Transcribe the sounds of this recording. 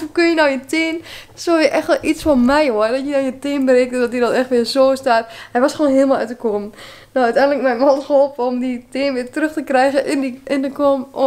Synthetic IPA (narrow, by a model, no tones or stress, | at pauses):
ukønjənɔwjətɪən | sojəʔɛxtɛlˠʔitsfɔnmɛjoərdɔtjədanjətɪənbəreːk̚tədɔtidɔtɛxtʋɪəzoːstaːthɛjʋɔsxʋoːnɦɪəlˠmalˠœtəkom | noœɥtɛjndləkmɛjmɔlˠtxəolˠpəɔmditɪənʋɪːtrøxtəkrɛjɣəʔɪniɪndəkom